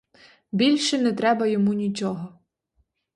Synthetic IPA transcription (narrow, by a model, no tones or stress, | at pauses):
bʲilʲʃɛnɛt̪ɾɛbɐjɔmunʲit͡ʃɔɦɔ